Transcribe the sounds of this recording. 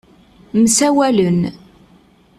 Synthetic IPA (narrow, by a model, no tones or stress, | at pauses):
msæwælən